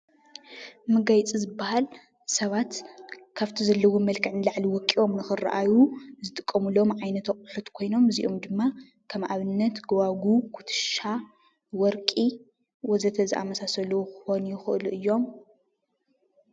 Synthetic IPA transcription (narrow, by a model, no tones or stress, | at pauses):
mɨɡajt͡sʼizɨbːahal | sɐβat̪kʰaβt̪ʰizɐlːɐwomɐlkʰɨʕnlaʕliwɔkʼːiʔo̞mnɨxɨra̰ʔajuzɨt̪ʼɨ̥kʼːɐmulo̞mʕajnɐt̪ʰɐkʼɨħɨt̪kʰo̞jno̞mɨziʔo̞md̪ɨmːa | kʰɐmʔaβɨnːɐt̪ɡɐwaɡukʰu̥t̪ʰɨ̥ʃa | wɔɾkʼi | wɔzɐt̪ʰɐzɨʔa̰mɐsasɐluxxonjɪxɨʔɨluʔɨjːo̞m